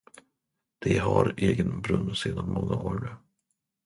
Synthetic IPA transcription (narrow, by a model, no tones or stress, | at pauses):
d̪̥ɛɦaɾeːɡənbɾɵnːseːd̪anmɔŋːaʔoːɾɳɛ